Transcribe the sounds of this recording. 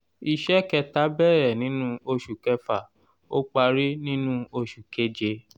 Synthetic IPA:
i˧ʃɛ˦kɛ˧ta˨˦bɛ˦˨ɾɛ˨nĩ˨˦nũ˦o˧ʃu˨kɛ˧fa˨ | o˦k͡pa˧ɾi˦nĩ˦nũ˦o˧ʃu˨ke˦d͡ʒe˧˦

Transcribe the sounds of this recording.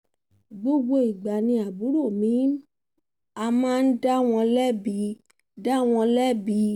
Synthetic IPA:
ɡ͡bo˧ɡ͡bo˧i˨ɡ͡ba˨nĩ˧a˨bu˨˦ɾo˦˨mĩ˨˦ | a˧mãː˦˧n̩˦da˦w̃ɔ̃˧lɛ˦bi˧˦ | da˦w̃ɔ̃˧lɛ˦bi˧˦

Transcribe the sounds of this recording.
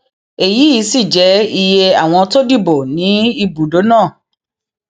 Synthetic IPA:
e˨ji˨˦i˨˦si˦˨d͡ʒɛ˨˦i˧je˧a˨w̃ɔ̃˧to˦di˦˨bo˨nĩ˨˦i˧bu˨do˨˦nãː˦˨

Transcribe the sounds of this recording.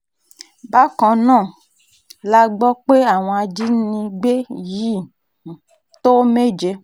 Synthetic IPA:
ba˦kɔ̃˨nã˦˨ | la˨ɡ͡bɔ˦k͡pe˦a˨w̃ɔ̃˨a˨d͡ʒi˦nĩ˧ɡ͡be˦ji˦ | t̪o˦me˦d͡ʒe˦

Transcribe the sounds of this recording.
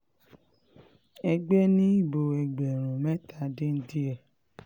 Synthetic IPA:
ɛ˧ɡ͡bɛ˦nĩ˦i˦˨bo˧ɛ˧ɡ͡bɛ˨ɾ̃ũ˨mɛ˦ta˨˧de˦n̩˦di˦ɛ˦˨

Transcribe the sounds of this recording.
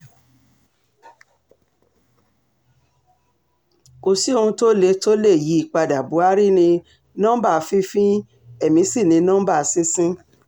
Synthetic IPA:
ko˨si˦o˧hũ˧to˦le˧˦to˦le˦˨ji˨˦i˦˨k͡pa˧da˨bu˨˦a˦ɾi˦nĩ˧ | nɔ̃˦ba˦˨˦fĩ˦fĩ˦ | ɛ˦˨mĩ˨˦si˦˨nĩ˨˧nɔ̃˦ba˦˨sĩ˦sĩ˦

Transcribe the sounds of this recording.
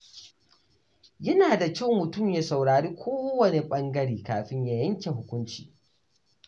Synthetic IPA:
jɐ˦naː˨da˨kʲɐ˦˨mʊ˨tʊ˦˨mja˨sa˨wɽaː˨ɽiː˦kʷʰoː˦wɐ˨ne˨ɓɐ˦ŋɡɐ˦ɽiː˨kaː˨ɸɪ˦ɲja˨jɐ˦ŋkʲe˨ɦʊ˦kʷʊ˦nt͡ʃḭː˨

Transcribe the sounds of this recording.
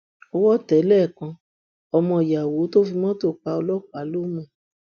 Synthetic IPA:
ɔ˧wɔ˦tɛ˨˦lɛ˦˨kã˧ | ɔ˧mɔ̃˧˨ja˨wo˨˦to˦fi˧mɔ̃˦to˦˨k͡pa˧ɔ˧lɔ˦k͡pa˨˦lo˦mũ˦˨

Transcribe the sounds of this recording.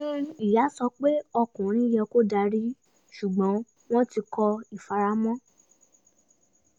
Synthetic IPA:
nĩ˦i˨ja˨˦sɔ˧k͡pe˦ɔ˧kũ˨ɾ̃ĩ˦jɛ˧ko˦da˧ɾi˦ | ʃu˨ɡ͡bɔ̃˨˦ | w̃ɔ̃˦ti˧kɔ˧i˨fa˧ɾa˦mɔ̃˦

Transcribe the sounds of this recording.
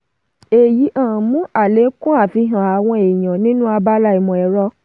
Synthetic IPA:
e˨ji˨˦ʔã˦˨mũ˨˦a˦˨le˨˦kũ˦a˦˨fi˧ɦã˨a˨w̃ɔ̃˧e˨j̃ã˨nĩ˦nũ˦a˧ba˦la˧˦i˨mɔ̃˨ɛ˨ɾɔ˧˦

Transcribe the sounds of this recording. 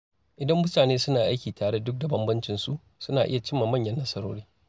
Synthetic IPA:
ʔɪ˨dɐ˦mːʊ˦taː˨neː˦sʊ˦naː˨ʔa˦jkʲiː˨tʰaː˨ɽe˦dʊ˦k̚da˨bɐ˦mbɐ˦nt͡ʃɪ˨nsu˦ʔ | sʊ˦naː˨ʔɪ˦ja˨t͡ʃɪ˦mːaː˨mɐ˦˨ɲjɐ˦nːɐ˦sɐ˦ɾoː˦ɽiː˦

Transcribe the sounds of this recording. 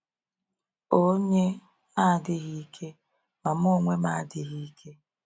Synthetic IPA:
o˦ɲe˦ | a˦˨dɪ˦ɣi˦kʰe˦ | ma˨m˦o˦ŋʷe˦ma˦˨˦dɪ˨ɣi˦i˦kʰe˦

